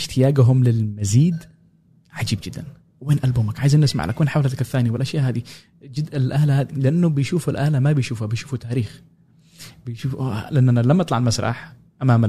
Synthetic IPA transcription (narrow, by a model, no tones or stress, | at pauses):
ɪʃt̪ɪjaːɡaɦʊmlɪlmaziːd̪ | ʕad͡ʒiːb̚d͡ʒɪd̪ːan | weːnʔalbuːmakʕaːjzanːɪsma̰ʕlʔa̰kweːnħawlat̪akaθːaːniwɪlʔaʃjaːʔɦaːd̪i | d͡ʒɪɪlʔaːlahaːd̪ilɪʔanːubɪjʃuːfʊlʔaːlamabɪjʃuːfhabɪjʃuːfut̪aːɾiːx | bɪjʃuːfa̰lɪʔanːanːalamːʔɑt̪ˤlɑʕalmasɾˤɑ̰ħ | ʔamaːma